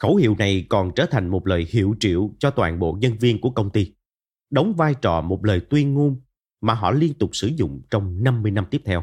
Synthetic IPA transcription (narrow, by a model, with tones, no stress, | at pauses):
xə˧˩˦whḭ˧˨wna˨˩jkɔ˨˩nt͡ɕəː˧˩t̪ʰa˨˩jŋ̟mo˨˩t̚ləː˨˩jhḭ˧˨əwt͡ɕḭ˧˨əwt͡ɕɔ˧t̪wa̰ː˧˨nɓo̰˧˨ɲə˧nvi˧ənku˧˩əkə˧wŋ͡mt̪i˧ | ɗə˨˦wŋ͡mvaː˧jt͡ɕɔ˨˩mo˨˩t̚ləː˨˩jt̪wi˧ənŋu˧n | maː˨˩ɦɔ̰˧˨li˧ənt̪ʊ˨˩k͡p̚sɨ˧˩zʊ̰˧˨ŋ͡mt͡ɕɔ˧wŋ͡mna˧mːɨ˧əjna˧mt̪i˦˥əp̚t̪ʰɛ˧w